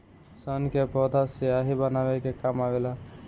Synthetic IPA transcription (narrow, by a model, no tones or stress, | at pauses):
sənkepɔd̪asijaɦibənabekekamabela